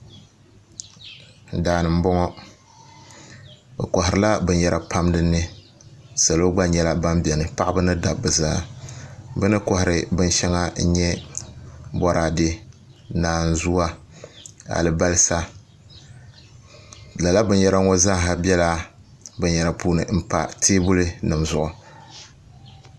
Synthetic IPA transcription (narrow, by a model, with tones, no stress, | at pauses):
daː˨nɨ˨m̩˦bɔ˦ŋɔ˦ | bɛ̰˨kɔ˨ɦɪ˨ɾɨ˨la˦bɨ˨njɛ˦ɾʔa˨pa˦mdɨ˦nɨ˦ | sa˨lo˦ɡ͡ba˦ɲɛ˦la˦ba˦mbɛ˨nɨ˨pa˦ʔa˦bɨ˦nɨ˦da˨bɨ˨zaː˦ | bɨ˦nɨ˦kɔ˨hɪ˨ɾɨ˦bɨ˦n˦ʃɛ˦ŋa˦ɲɛ˦ | bɔ˦ɾa˨dɨ˦ | naː˨n̩˦zu˦a˦ | a̰˨lɨ˨ba˦lɨ˦sa˦ | la˨la˦bɨ˨n˦jɛ˦ɾa˦ŋɔ˦zaː˦ɦa˨bɛ˦la˦ | bɨ˨ɲjɛ˨ɾa˨pʰuː˦nɨ˨m̩˦pa̰˨tʰeː˦bʊ˦lɨ˦nɨ˨mzʊ˨ʔʊ˨